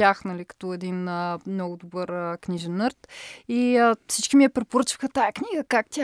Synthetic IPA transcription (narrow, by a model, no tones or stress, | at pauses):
jaxnɐlikɐ̥t̪ɔɛd̪inəmnɔɡʊd̪obɤɾkniʒɛnːəɾt̪iəfsit͡ʃkimiɛpɾɛpoɾət͡ʃi̥xɐt̪ajəknʲiɡəkak̚t̪ʲa